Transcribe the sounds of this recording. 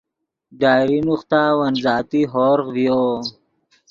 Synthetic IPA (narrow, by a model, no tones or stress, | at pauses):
ɖaːɾinuχt̪awɐnzaːt̪iɦoːɾʁvijo